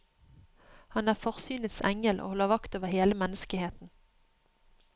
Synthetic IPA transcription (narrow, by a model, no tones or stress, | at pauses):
hɑnæːʁfɔʁsyːnət̪sɛ̰ŋəlʔo̰ːhɔlːəʋɑkt̪oːʋəʁheːləmɛnːəskəheːt̪n̩